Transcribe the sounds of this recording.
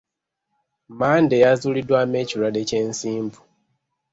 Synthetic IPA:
maːndejazulidwameciɾadeceːnsiːmbu

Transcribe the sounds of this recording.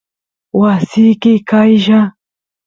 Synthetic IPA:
wasɪjkɪkajʃa

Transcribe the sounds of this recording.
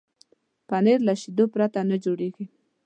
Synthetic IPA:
paneɾlaʃid̪opɾat̪anad͡ʒoɽeɡi

